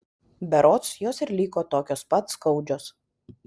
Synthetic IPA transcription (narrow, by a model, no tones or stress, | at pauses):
bʲɛɾoːt̪sjoːsɪɾlʲiːkoːt̪oːkʲoːspɐt̪skɐʊd͡ʒʲoːs